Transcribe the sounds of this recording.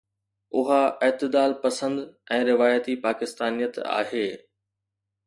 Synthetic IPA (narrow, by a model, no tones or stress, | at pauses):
ʊɦaʔɪɦt̪ɪd̪aːlpɐsə̃nd̪ɛ̃ːɾɪʋaːjət̪ipaːkɪst̪aːnijət̪a̰ːɦeː